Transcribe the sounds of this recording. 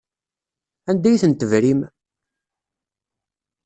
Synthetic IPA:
ænd̪æjθənt̪əvɾim

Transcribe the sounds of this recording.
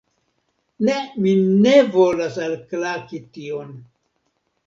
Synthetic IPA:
neminevolasalklakition

